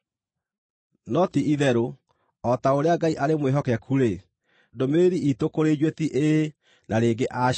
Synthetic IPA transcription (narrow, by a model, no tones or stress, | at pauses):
nɔtiiðɛɾo | ɔtaoɾeaɡaiʔaɾemweɦɔkɛkʰuɾe | domeɾiitokoɾed͡ʑwetiʔe | nʔaɾeɡeʔa